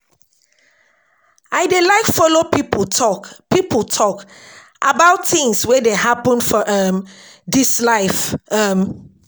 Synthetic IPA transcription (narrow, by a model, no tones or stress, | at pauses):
aɪdelaɪkfɔlopiptɔkpipətʰɔk | ʔabaʊtθɪ̃ŋswedeɦapə̃nfɔʔʌmdislaɪfʌm